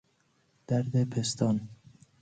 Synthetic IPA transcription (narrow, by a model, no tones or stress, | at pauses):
d̪̥æɾd̪epʰest̪ʰɒːn